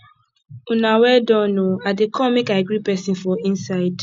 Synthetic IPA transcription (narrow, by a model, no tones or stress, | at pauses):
unawɛdɔ̃noadekʰɔmekaɪɡɾipɛsĩnfɔĩnsaɪd̥